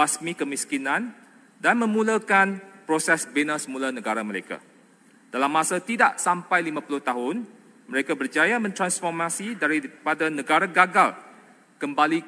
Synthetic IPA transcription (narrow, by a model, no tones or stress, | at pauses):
asmikəmiskinãn | danmə̃mũlakanpɾosɛsbenasəmũlanə̃ɡaɾaməɾeka̰ | d̥alamːãsat̪idaʔsampajlimãpulʊht̪aɦʊn | məɾekabərd͡ʒajamə̃nt̪ɾansfɔrmãsidaɾipadanə̃ɡaɾaɡaɡal | kəmbali